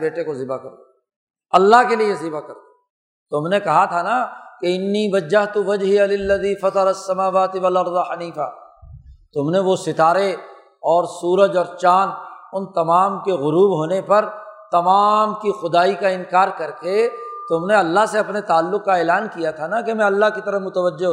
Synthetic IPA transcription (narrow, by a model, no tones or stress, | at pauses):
beːʈẽkozɪbakɐɾd̪o | ɐlːaɦkeliezɪbakɐɾd̪oː | t̪ʊmnekɐɦat̪ʰanakeɪnːiːʋɐd͡ʒːɐɦt̪uʋɐd͡ʒɦɪjalɪlːɐðiːfɐt̪ɑɾɐsːɐmaːʋaːt̪ɪʋɐlɐɾd̪aħɐniːfa̰ | t̪ʊmneʋosɪt̪aːɾe | ɔːɾsuːɾəd͡ʒɔːɾt͡ʃaːnʊnt̪ɐmaːmkeɣʊɾuːbɦoːnepɐɾt̪ɐmaːmkixʊd̪aːikaɪ̃nkaːɾkɐɾket̪ʊmneɐlːaɦseɐpnet̪aːlːʊqːaeːlaːnkijat̪ʰanakemɛ̃ɐlːaɦkit̪ɐɾəmʊt̪əʋəd͡ʒːeɦ